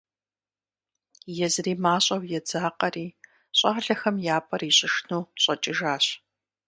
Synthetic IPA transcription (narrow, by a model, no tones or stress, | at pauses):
jɛzriːmaːɕʼɐwjɛd͡zaːqɐriː | ɕʼaːɮɐxɐmjaːpʼɐriːɕʼɪʂnuːɕʼɐt͡ʃʼɪʒaːɕ